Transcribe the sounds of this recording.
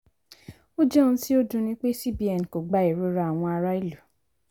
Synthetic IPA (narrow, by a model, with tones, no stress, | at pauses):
o˦d͡ʒɛ˦nũ˦ti˦o˦dũ˦˧nĩ˦k͡pe˦si˦˨bi˨ɛ˨n˨ko˨ɡ͡ba˨˦i˨ɾo˨˦ɾa˧˨a˨w̃ɔ̃˧a˧ɾa˦i˦lu˨